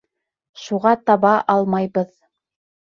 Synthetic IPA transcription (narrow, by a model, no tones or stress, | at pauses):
ʃuʁɑt̪ɑβɑʔɑlˠmɑjβɤð